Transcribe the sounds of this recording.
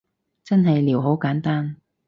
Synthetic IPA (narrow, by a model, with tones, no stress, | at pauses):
t͡sɐ˥nɦɐ˨jliː˨˩wɦo˨˥wkaː˨˥nt̪aː˥n